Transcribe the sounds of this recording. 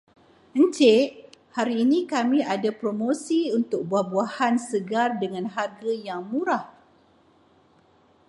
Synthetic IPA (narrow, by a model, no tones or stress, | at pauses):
ənt͡ʃeʔhaɾiːnĩkamĩadapɾomosiunt̪ʊk̚buahbuahansəɡardəŋãnɦarɡajaŋmũɾah